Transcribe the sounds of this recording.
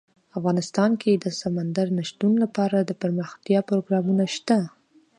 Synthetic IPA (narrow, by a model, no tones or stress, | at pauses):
afɣɑnɪst̪ɑnkʰed̪əsamand̪aɾnaʃt̪unlapɑɾad̪əpəɾməxt̪jɑpɾoɡɾɑmunaʃt̪a